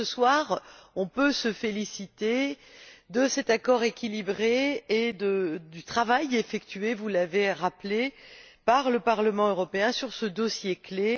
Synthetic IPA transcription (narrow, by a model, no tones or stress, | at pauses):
əswaʁɔ̃pøsəfelisit̪e | d̪əsɛt̪akɔʁekʲilibʁeːd̪əd̪yt̪χavajefɛkt̪ɥevulaveʁaple | paʁləpaʁləmɑ̃øʁɔpeɛ̃syʁsəd̪ɔsjekle